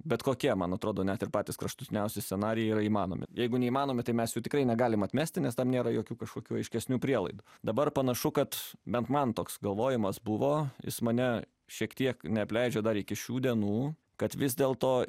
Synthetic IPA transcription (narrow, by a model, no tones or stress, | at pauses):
bʲɛt̪koːkʲiɛmɐnɐt̪ɾoːd̪oːnʲɛt̪ɪɾpɑːt̪ʲiskɾɐʃt̪ʊt̪ʲɪnʲɛʊsʲɪsʲsʲɛnɑːɾʲɪjɛiːɾɐiːmɑːno̰mʲɪ̰jɛɪɡʊnʲɛiːmɑːnoːmʲɪt̪ɐɪmʲɛsjuːt̪ʲɪkɾɐɪnʲɛɡɑːlʲɪmɐt̪ʲmʲæːsʲt̪ʲɪnʲɛst̪ɐmnʲeːɾɐjoːkʲuːkɐʃkoːkʲuːɐɪʃʲkʲɛsʲnʲuːpʲɾʲiɛlˠɐɪd̪ʊd̪ɐbɐrpɐnɐʃʊkɐt̪bʲɛnt̪mɐnt̪oːksɡɐlˠʋoːjɪmɐsbʊʋoːjɪ̰smɐnʲɛ | ʃʲiɛkt̪ʲiɛknʲɛɐpʲlʲɛɪd͡ʒʲɛd̪ɐɾɪkʲɪʃʲuːd̪ʲiɛnuː | kɐt̪ʋʲɪzʲd̪ʲeːlˠt̪oː